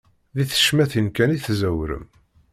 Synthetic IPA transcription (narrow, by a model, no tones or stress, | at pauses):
ðiθə̥ʃmæθinkæniθzæwɾə̰m